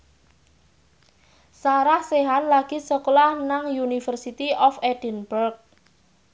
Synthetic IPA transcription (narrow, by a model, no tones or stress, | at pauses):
saɾahseɦanlaɡ̥isəklahnaŋjunifərsit̪iʔɔfeɖ̥ənbərk̚